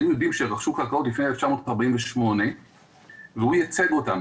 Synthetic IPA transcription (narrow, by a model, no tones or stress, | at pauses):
imjodimʃeʁaχʃukakaʔotlifneeleft͡ʃamo̞taʁbaimveʃmo̞ne̞ | vehujat͡sedo̞tam